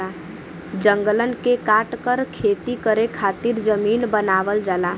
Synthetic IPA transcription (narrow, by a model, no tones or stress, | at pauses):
a | d͡ʒəŋɡələnkekaʈkəɾkʰet̪ikəɾekʰat̪iɾd͡ʒəmiːnbənaʋəld͡ʒaːla